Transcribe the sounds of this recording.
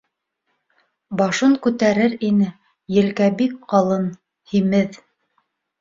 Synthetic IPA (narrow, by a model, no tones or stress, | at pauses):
bɑʃɤŋkʉt̪æɾɘɾinɘ | jɘ̆lkæbikqɑlˠɤn | himɘð